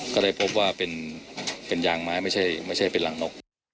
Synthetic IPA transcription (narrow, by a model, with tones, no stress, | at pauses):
kɔː˥˩daː˥˩jpʰo˦˥p̚waː˥˩pe˨npe˨njaː˧˩ŋmaː˦˥jma˥˩jt͡ɕʰa˥˩jma˥˩jt͡ɕʰa˥˩jpe˨nla˨˩˦ŋno˧˥˩k̚